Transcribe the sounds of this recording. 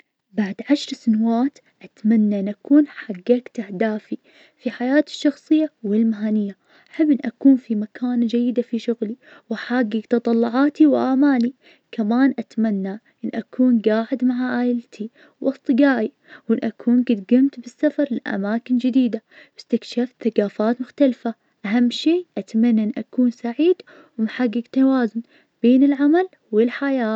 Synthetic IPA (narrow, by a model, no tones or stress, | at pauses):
baʕd̪ʕaʃɾˤsanawaːt̪ | ʔat̪manːaʔɪnʔakuːnħaɡːakt̪ahd̪aːfi | fiħajaːt̪ɪ̥ʃːɑxsˤɨjːawɪlmaɦaːnɪjːa | ʔaħabːʔɪnʔakuːnfimakʰaːnd͡ʒajːɪd̪afiʃʊɣliwaħaːɡːikt̪ɑt̪ˤɑlːʊʕaːt̪iwʔaːmaːli | kʰamaːnʔat̪manːaʔɪnːʔakʰuːnɡaːʕɪd̪maʕaʔaːjɪlt̪ʰi | wɑst̪ˤɨɡaːʔi | wɪnːʔakʰuːnɡɪt̪ɡɪmt̪bɪsːafɑɾˤlɪʔa̰maːkɪnd͡ʒɪd̪iːd̪abɪst̪ɪkʃaːfθaɡaːfaːt̪mʊxt̪alfa | ʔaɦamːʃeːʔat̪amanːaʔɪnːʔakuːnsaʕiːd̪ | wmħaɡːɪɡt̪awaːzʊn | b̥eːnɪlʕamal | wɪlħajaː